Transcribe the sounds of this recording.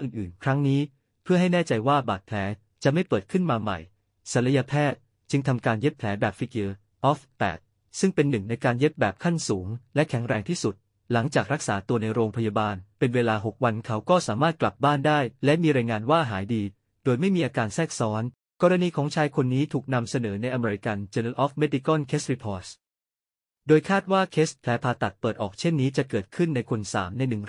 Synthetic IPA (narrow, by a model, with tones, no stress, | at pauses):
ʔɯː˨˩nʔɯː˨˩nkʰɾa˦˥ŋniː˦˥ | pʰɯ˥˩ɐɦa˥˩jnɛː˥˩t͡ɕa˧jwaː˥˩baː˨˩t̪̚pʰlɛː˩˦ | t͡ɕa˨ʔma˥˩jpɤː˨˩ət̪̚kʰɯ˥˩nmaː˧ma̰˨˩j | sa˨˩˦nɾa˧ja˧pʰɛː˥˩t̪̚ | t͡ɕɯ˧ŋt̪ʰa˧mkaː˧nje˦˥p̚pʰlɛː˩˦˥bɛː˨˩p̚fi˦˥k̚ɤː˧ | ʔɔː˦˥ft̪ɛ̰ː˨˩t̪̚ | sɯ˥˩ŋpe˧nːɯ˨˩ŋna˧jkaː˧nje˦˥p̚bɛː˨˩p̚kʰa˥˩nsuː˩˦ŋlɛ˦˥kʰɛ˩˦ŋɾɛː˧ŋt̪ʰiː˥˩su˨˩t̪̚ | la˩˦ŋt͡ɕaː˨˩k̚ɾa˦˥k̚saː˩˦t̪u˧əna˧jɾoː˧ŋpʰa˧ja˧baː˧npe˧nweː˧laː˧ɦo˨˩k̚wa˧nkʰa˦˥wkɔː˥˩saː˩˦maː˥˩t̪̚kla˨˩p̚baː˥˩ndaː˥˩jlɛ˦˥ʔmiː˧ɾa˧jŋaː˧nwaː˥˩ɦaː˩˦jdiː˧ | doː˧jma˥˩jmiː˧ʔaː˧kaː˧nsɛː˥˩k̚sɔː˦˥n | kɔː˧ɾa˧niː˧kʰɔː˩˦ŋt͡ɕʰaː˧jkʰo˧nːiː˦˥t̪ʰuː˨˩k̚na˧msa˧nɤː˩˦na˧jʔa˧meː˧ɾi˧ka˧nt͡ɕe˧nə˧nʔɔː˦˥fme˦˥di˧kɔ˥˩nkʰeː˦˥s̚i˧˥pʰɔː˦˥s | doː˧jkʰaː˥˩t̪̚waː˥˩kʰeː˦˥spʰlɛː˩˦˥pʰaː˧t̪a˨˩t̪̚pɤː˨˩t̪̚ʔɔ̰ː˨˩k̚t͡ɕʰe˥˩nːiː˦˥t͡ɕa˨˩kɤː˨˩t̪̚kʰɯ˥˩nːa˧jkʰo˧nsa̰ː˩˦mna˧jnɯ˨˩ŋ